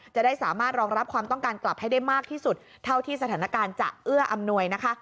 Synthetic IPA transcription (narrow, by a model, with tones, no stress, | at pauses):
t͡ɕa˨˩daː˥˩jsaː˩˦maː˥˩t̪̚ɾɔː˧ŋɾa˦˥p̚kʰwaː˧mt̪ɔ˥˩ŋkaː˧nkla˨˩p̚ha˥˩jda˥˩jmaː˥˩k̚t̪ʰiː˥˩su˨˩t̪̚ʰːa˥˩wt̪ʰiː˥˩sa˧t̪ʰaː˩˦na˦˥˩kaː˧nt͡ɕa̰˨˩ʔʔɯ˥˩ɐʔa˧mnu˧əjna˦˥kʰa˦˥